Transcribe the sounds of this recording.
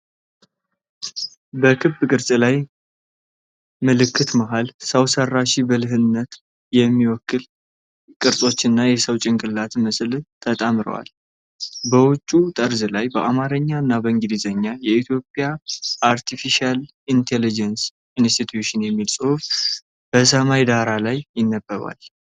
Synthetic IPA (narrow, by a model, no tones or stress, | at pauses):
bəkʰɨbɨkʼɨɾsʼlaj | məlɨkʰːɨt̪məɦalsəwsərːaʃibəlɨɦɨnːət̪ | jɛmːiwɔkːɨl | kʼɨɾsʼo̞t͡ʃːɨnːajɛsəwt͡ʃʼɪŋkʼɨlːat̪məslt̪ʰət̪ʼamɨɾə̰wa̰l | bəwʊt͡ʃʼːut̪ʼəɾzɨlajbəʔamaɾəɲːaɨnːabəɨŋɡid̪izəɲːajɛit̪ʰjo̞pʼjaʔaɾt̪ʰifiʃal | int̪ʰelid͡ʒəns | inst̪ʰit̪ʰjuʃɨnjɛmːilsʼɨhuf | b̥əs̬əmajd̪aɾalajːɪnːəbːəβa̰l